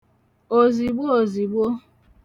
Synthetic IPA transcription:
o˨zi˨ɡ͡bo˦o˨zi˨ɡ͡bo˦

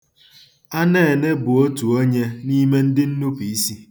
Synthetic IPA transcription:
a˦ne˦˨e˨ne˦bʊ˨o˦tu˨o˦ɲe˦ni˦me˦n̩˦dɪ˦n̩˦nu˦pi˨i˦si˦

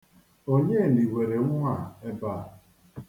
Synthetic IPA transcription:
o˦ɲe˦˨ni˨we˨ɾe˨ŋ̩˦ŋʷa˨e˦ba˦˨

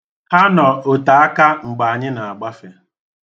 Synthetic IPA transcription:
ha˦nɔ˨o˨ta˨a˦ka˦ŋ͡m̩˨ɡ͡ba˨a˨ɲɪ˦na˨a˨ɡ͡ba˦fe˨

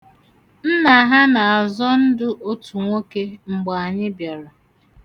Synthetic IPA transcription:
n̩˦na˨˦ɦa˦na˨a˨zɔ˦n̩˦dʊ˦ʔo˦tu˨ŋʷo˦ke˦ŋ͡m̩˨ɡ͡ba˨a˨ɲɪ˦bje˨ɾa˨

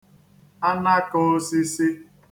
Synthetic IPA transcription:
a˦na˦kʊ˦si˦si˦

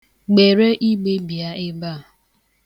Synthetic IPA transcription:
ɡ͡be˨ɾe˦ʔi˦ɡ͡be˦bi˨a˦ɪ˦ba˦˨

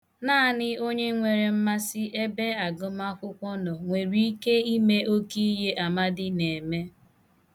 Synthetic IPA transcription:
naː˦˨nɪ˦o˦ɲe˦ŋʷe˨ɾe˨m̩˦ma˦sɪ˦ʔe˦be˦a˨ɡʊ˦ma˦kʷʊ˦kʷɔ˦nɔ˨ŋʷe˨ɾi˦i˦ke˦i˦me˦ʔo˦ki˦je˦a˨ma˦dɪ˦ne˨me˦

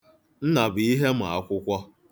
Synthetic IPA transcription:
n̩˦na˨bʊ˨i˦ɦe˦m̩˨a̰˨˦kʷʊ˦kʷɔ˦

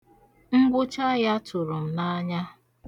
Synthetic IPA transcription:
ŋ͡m̩˦ɡ͡bʷʊ˦t͡ʃa˦ja˦tʊ˨ɾʊ˨m̩˨na˦ɲa˦

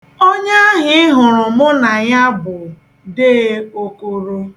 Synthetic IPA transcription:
o˦ɲa˦ɦɪ˦ɪ˦ɦʊ˨ɾʊ˨mʊ˦na˨ɲa˦bʊ˨ | de˦o˦ko˦ɾo˦

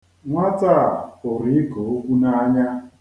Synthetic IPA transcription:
ŋʷa˦ta˦˨o˨ɾi˨˦ɪ˦ko˨o˦kʷu˦na˦a˦ɲa˦

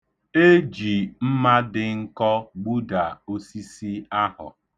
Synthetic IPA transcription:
e˦d͡ʒi˨m̩˦ma˦dɪ˨ŋ̩˦kɔ˦ɡ͡bu˦da˨o˦si˦si˦a˦hʊ̰˨

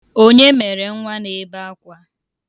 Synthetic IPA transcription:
o˦ɲe˦me˨ɾe˨ŋ̩˦ŋʷa˦ne˨˦ba˦a˦kʷa˦

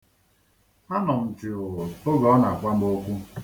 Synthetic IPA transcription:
a˦nɔ˨m̩˨t͡ʃɪ˨o˦ɣɔ˨ɔ˦na˨kʷa˦m̩˦o˦kʷu˦

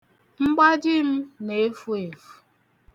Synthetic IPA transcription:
ŋ͡m̩˦ɡ͡ba˦d͡ʒɪ˦m̩˦ne˨˦fu˦e˨fu̥˨

